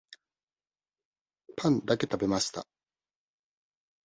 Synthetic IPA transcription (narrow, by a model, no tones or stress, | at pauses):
pãnd̪ake̞t̪abe̞maɕi̥t̪a̰